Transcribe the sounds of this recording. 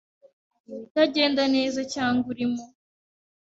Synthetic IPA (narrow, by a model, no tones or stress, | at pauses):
taɟe̞ːndane̞ːzacaːŋɡuɾimo